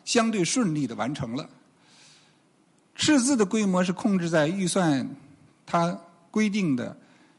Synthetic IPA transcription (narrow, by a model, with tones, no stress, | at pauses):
ɕjɑ˥ŋt̪̬we˥˧ɪʂwə˥˧nli˥˩d̪ə˩wa̰˧˥nʈ͡ʂʰɤ˧˥ŋlə̰˧ | ʈ͡ʂʰɻ̩˥˧t͡sɹ̩˥˩d̪ə˩kwe˥ɪmwɔ˧˥ʂ̬ɻ̩˥˧kʰʊ˥˧ŋʈ͡ʂɻ̩˥˧t͡sa˥˧ɪy˥˧swa˥˧n | t̪ʰa˥ | kwe˥ɪt̪̬i˥˩ŋd̪ə̰˩